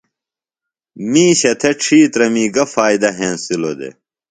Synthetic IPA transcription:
mĩːɕɐt̪ʰeʈ͡ʂʰiːt̪ɾɐmiːɡɐfaːjd̪ɐɦẽːnsilod̪ḛ

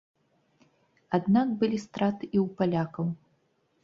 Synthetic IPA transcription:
ad̪nakbɨlʲist̪ɾat̪ɨʔiwpalʲakɐw

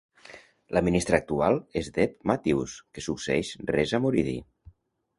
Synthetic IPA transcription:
laminist̪ɾəːk̚t̪ualˠezd̪epmat̪iwskesukseɛʃrɛzamuɾiðḭ

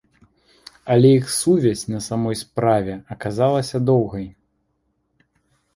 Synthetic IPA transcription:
ɐlʲɛjixsuvʲɛsʲnɐsamɔjspɾavʲɛɐkazalˠɐsʲɐd̪ɔwɣɐj

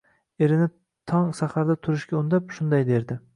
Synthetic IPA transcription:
eɾɪnɪ | t̪ʰɒŋsahaɾd̪at̪ʰʊɾɪʃkʲaʊnd̪apʃʊnd̪ajd̪e̞ɾd̪ɪ

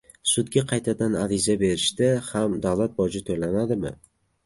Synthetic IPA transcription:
sʊd̪ɡʲaqʰɑjt̪ʰad̪anaɾɪzabe̞ɾɪʃd̪ɪhamd̪awlˠat̪̚bɒd͡ʒɪt̪ʰolanad̪ɪmɪ̰

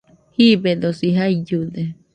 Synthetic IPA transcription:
hibed̪osiɦaid͡ʒud̪e

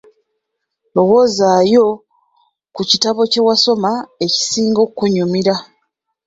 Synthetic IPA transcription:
lo̞wo̞zajo̞ | kucitaβo̞ce̞waso̞mae̞ci̥siːŋɡo̞ːkkːuɲumiɾa

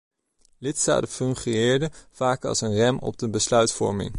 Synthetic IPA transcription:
lɪtsta̰ːtəfɵŋχiɪːɹdəv̥aːkɑ̰lˠsənrɛmɔ̰b̚dəbəslœɥtfɔ̰ɹmɪ̰ŋ

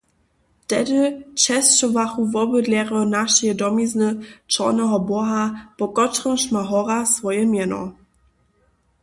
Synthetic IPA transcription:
tɛdət͡ʃɛst͡ʃɔvaχuvɔbədlɛʁɔnaʃɛdɔmiznət͡ʃɔ̰nɛɦɔbɔɦapɔkɔtʁəmʃmaɦɔʁasvɔjɛmjɛnɔ̰

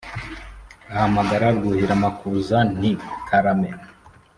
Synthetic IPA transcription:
ahamaɡaɾaɾɡuhiɾamakuzanikʰaɾame

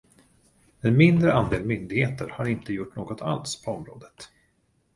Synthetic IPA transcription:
ɛnmɪnd̪ɾəand̪eːlmʏnd̪ɪɡheːt̪ʰəɾhaɾɪnt̪əjʊʈːnoːɡɔt̪ʰa̰lspʰɔɔmɾo̰ːd̪ət̪

